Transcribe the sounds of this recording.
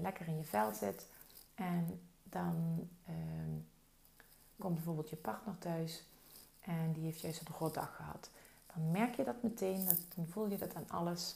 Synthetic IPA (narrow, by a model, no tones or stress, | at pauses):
lɛkərɪnjəvɛlˠtz̥ɪtʔɛndɑn | kɔmbɛjvoːɹbɪlˠtjəpɑɹtnəɹtœɥs | ʔɛndiɦejftjœɥsodəχodɑ̰xəɦɑ̰t | d̥ɑnmɛɹkjədɑtmətʰejnd̥ɑnvulˠjədɑtaːnɑ̰ləs